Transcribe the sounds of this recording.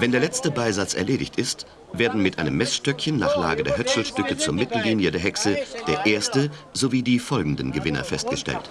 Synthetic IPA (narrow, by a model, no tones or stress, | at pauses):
vɛndeːɐlɛt͡stəbaɪzat͡sɛ̰ɐleːdɪçtɪst | v̥eːɐdn̩mɪtʔaɪnəmːɛsʃtœkçənːa̰ːχla̰ːɡədeːɐhœsl̩ʃtʏkət͡suːɐmɪtl̩liːnjədeːɐɦɛksəd̥eːɐʔeːɐstə | zoviːdiːfɔlɡŋ̩dən̩ɡəvɪnɐ̰fɛst̚ɡ̥əʃtɛ̰lt